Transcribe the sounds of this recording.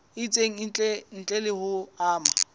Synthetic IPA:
ɪt͡sʼeŋ̩t͡ɬʼɛn̩t͡ɬʼɛlɪhʊaːma

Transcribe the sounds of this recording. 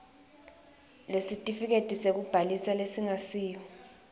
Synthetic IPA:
lesitʼifik̬etʼisek̬ub̥ʱalisalesiŋasiːjɔ

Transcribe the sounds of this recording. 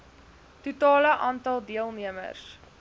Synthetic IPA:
tutɑːləʔɑːntɐlˠdiəlˠniəmə̰rs

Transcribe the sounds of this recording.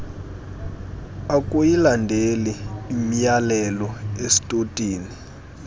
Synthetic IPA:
ak̬ʼujilandʱeliːmijalɛlɔesi̥tʼotʼiːni

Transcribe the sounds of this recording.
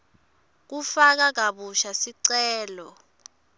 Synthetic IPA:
k̬ufak̬ak̬aɓuʃasiǀɛːlɔ

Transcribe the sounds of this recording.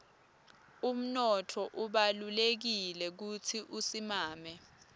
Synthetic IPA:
um̩nɔtʰɔʔuɓalulek̬ilɛk̬ut͡sʰiʔusimaːmɛ

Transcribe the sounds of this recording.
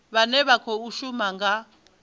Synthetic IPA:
βanɛβakʰɔuʃumaŋɡa

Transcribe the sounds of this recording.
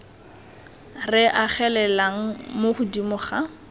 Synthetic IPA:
rɪʔaχɛlɛlaŋ̩moχʊdimʊχa

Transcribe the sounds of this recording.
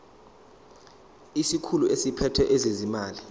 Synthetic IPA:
isikʰuluʔesipʰɛtʰwɛʔɛzezimaːli

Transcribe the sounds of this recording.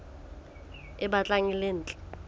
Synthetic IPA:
ɛɓat͡ɬʼaŋileːn̩ːt͡ɬʼɛ̥

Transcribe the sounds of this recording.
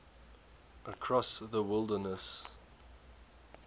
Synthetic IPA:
ʔəkʰɹ̥ɔsðəwɪlˠdənəs

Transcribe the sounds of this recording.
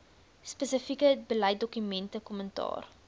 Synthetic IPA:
spəsəfikəbəlɛjt̚dɔkymɛntəkɔməntɑ̰ːr

